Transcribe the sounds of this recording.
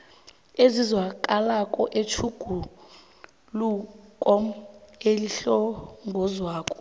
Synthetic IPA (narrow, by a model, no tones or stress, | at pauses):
ezizwakʼalakʼɔʔet͡ʃʰuɡ̥ʱu | lukʼɔm̩eliɬɔŋɡʱɔzwaːkʼɔ̥